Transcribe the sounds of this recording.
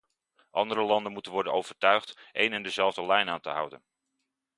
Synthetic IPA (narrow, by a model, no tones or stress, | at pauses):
ʔɑ̰ndəɾəlɑndənmutənʋɔɹdənowv̥əɹtœɥχtʔḛjnɛndəzɛlˠvdəlɛjnaːntə̰ɦʌ̰wdə̰n